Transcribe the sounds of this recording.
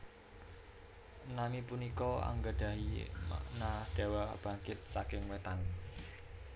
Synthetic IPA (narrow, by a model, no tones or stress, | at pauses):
namipunikɔa̰ŋɡəd̪̥a̤ɦḭnad̥e̤wab̥a̤ŋkɪt̪̚sakɪŋwet̪an